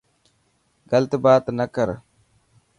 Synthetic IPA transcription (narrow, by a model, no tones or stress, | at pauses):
ɡɐlt̪baːt̪nɐkɐɾ